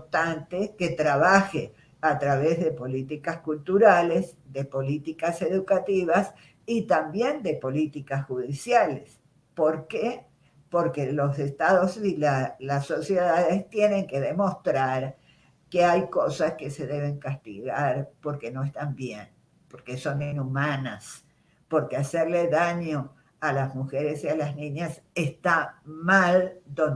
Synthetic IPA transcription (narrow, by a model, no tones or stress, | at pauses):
ot̪ant̪eket̪ɾaβaxe | at̪ɾaβezðe̞po̞lit̪ikaskult̪uɾalesðepo̞lit̪ikase̞ðukat̪iβas | it̪ambje̞nd̪e̞po̞lit̪ikasxuðisjales | po̞ɾke | po̞ɾkelo̞sest̪aðosilalaso̞sjeðaðest̪je̞nẽ̞ŋke̞ðemo̞st̪ɾaɾ | keajkosaske̞se̞ðeβe̞ŋkast̪ḭɣaɾpo̞ɾkeno̞est̪ambjen | po̞ɾkeso̞ninumanas | po̞ɾkeaseɾleðaɲo | alazmuxeɾesialaznĩɲasest̪amald̪on